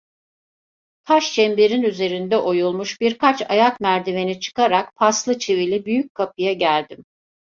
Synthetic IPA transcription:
t̪ʰaʃt͡ʃʰɛmbeɾinyze̞ɾind̪ɛʔo̞julˠmuʃbiɾkʰat͡ʃa̰jakmæɾd̪ivenit͡ʃʰɯ̥kaɾakpʰaslˠɯt͡ʃʰevilʲibyjyc̚kʰapɯjaɟælʲd̪im

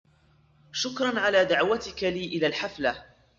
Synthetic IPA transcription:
ʃʊkɾˤɑnʕalaːd̪aʕwat̪ɪkaliːʔɪlaːlħafla

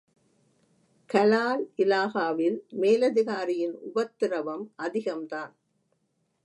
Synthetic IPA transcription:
kɐlaːlʔɪlaːɣaːʋɪlmeːlɐðɪɣaːɾɪjɪnʊbɐt̪ːɪɾɐʋɐmʔɐðɪɣɐmt̪aːn

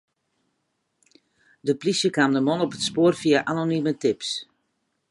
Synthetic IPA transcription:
dəplisjəkamdəmɔnɔpətspoːrfiaʔanonimətɪps

